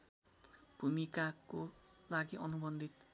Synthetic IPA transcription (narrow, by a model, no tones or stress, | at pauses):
b̥ʱumikakolaɡiʔʌnubʌnd̪ʱit̪